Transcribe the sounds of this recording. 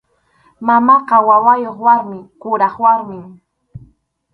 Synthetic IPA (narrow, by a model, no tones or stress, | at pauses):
mamɑqɑwawajoχwaɾmɪkʊɾɑχwaɾmɪm